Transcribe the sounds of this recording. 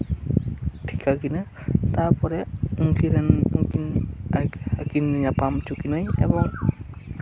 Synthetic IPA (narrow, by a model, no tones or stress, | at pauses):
tʰikakina | taɹpɔɾɛuŋkʰiɾɛnuŋkin | akinɲapamt͡ʃukinojɛ̰bɔŋ